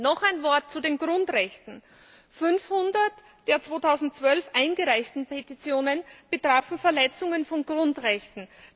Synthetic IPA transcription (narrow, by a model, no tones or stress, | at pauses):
nɔχaɪnvɔɐt̚t͡sudeːnɡʁʊntʁɛçtn̩ | fʏnfhʊndɐt | d̥eːɐt͡sv̥oːtʰaʊzn̩tt͡sv̥œlfʔaɪnɡəʁaɪçtn̩pʰetit͡sjoːnənb̥ətʁ̥aːfn̩fɛɐlɛt͡sʊŋənfɔnɡʁʊntʁɛçtn̩